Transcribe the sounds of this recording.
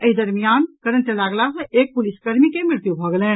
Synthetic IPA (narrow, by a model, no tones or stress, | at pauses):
əid̪ɐɾmijaːnkəɾənt͡ʃɐlaːɡlasɐ̃eːk̚pʊliskəɾmikemɪɾt̪jubʱəɡlɛː